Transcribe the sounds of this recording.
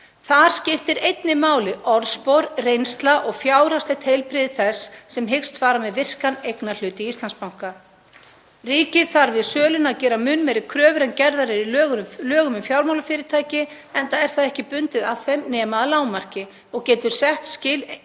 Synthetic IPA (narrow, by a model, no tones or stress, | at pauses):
θaðɾ̥scɪft̪ɪɾejt̪nɪmaːwlɪɔɾðspowɾrejnst̪laʔɔɣfjaːwɾast̪ɛt̪hejlpɾɪðɪθɛsːɛmɦɪkst̪faːɾamɛðvɪr̥kanejknal̥ʏːt̪ɪist̪anspawŋ̥ka | riːcɪθaɾvɪðsœːlʏnaðcɛːɾamʏnːmɛːɾɪkʰɾœːvɾɛncɛɾðaɾɪɾiœːɣʏʏlœːɣʏmʏmfjawɾmawlafɪːɾɪt̪ʰaːjcɪ | ɛnt̪aðɛɾ̥θaðɛhcɪpʏnt̪ɪðavθejmnɛːmaðalaːwmar̥cɪ | ɔɣcɛːt̪ʏɾ̥sɛht̪scɪːl